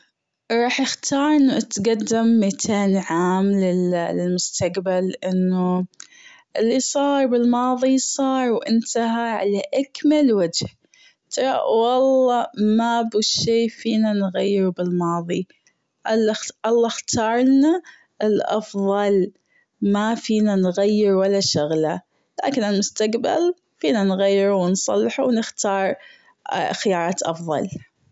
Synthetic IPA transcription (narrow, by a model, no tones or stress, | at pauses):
ɾˤɑːħʔɪxt̪ʰɑːɾˤʔɪnːaʔat̪ɡad̪ːɪmːat̪ʰeːnʕaːmlɪɪlmʊst̪aqbalʔɪnːu | ʔɪlːisˤɑːɾˤbɪlmɑːðˤisˤɑːɾˤwʔɪ̰nt̪aɦaʕa̰laʔakmalwad͡ʒh | t̪ʰɑɾˤɑ̰wɑlˤːɑmabuʃeːfiːnanɣajːɪɾubɪlmɑːðˤi | ʔalʔɑlˤːɑxt̪ʰɑːɾˤna | ɪlʔɑ̰fðˤɑl | mafiːnanɣajːɪɾwalːaʃʊɣla | la̰ːkɪnalmʊst̪aqba̰l | fiːnanɣajːɪɾuwɪnsˤɑ̰lːɪħuwnɪxt̪ɑːɾˤ | xɪjɑːɾˤɑːt̪ʔɑfðˤɑ̰l